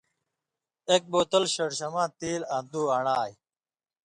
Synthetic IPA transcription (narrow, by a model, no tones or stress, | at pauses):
ek̚boːt̪ɐlɕɐɽɕɐmãːt̪iːland̪uːaɳaːj